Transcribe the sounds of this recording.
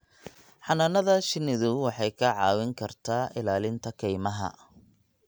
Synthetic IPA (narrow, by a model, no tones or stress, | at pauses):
ħɑnɐnɐðɐʃɪnɪðʊwɑħɑjkʰɐʕɑːwɪŋkʰɐrt̪ʰaːʔɪlaːlɪnt̪ʰɐkʰɛjmɐɦɐ̰